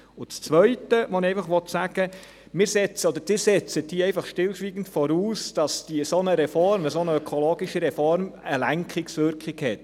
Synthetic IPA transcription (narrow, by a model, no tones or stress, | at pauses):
ʊt͡st͡sʋœʏtəʋɔniɛɪfɑχʋɔtsæɡ̥ə | mɪːɾsɛt͡səɔd̥̪əɾd̥ɪːɾsɛt͡səd̥iːɛɪfɑχʃtɪlʃʋiːɡ̥n̩tfɔɾuːsd̥ɑsd̥iəsonəɾɛfɔɾrməsonəøkʰɔloːɡiʃəɾɛfɔrməlæŋkχɪksʋʏɾkχɪkhɛt̚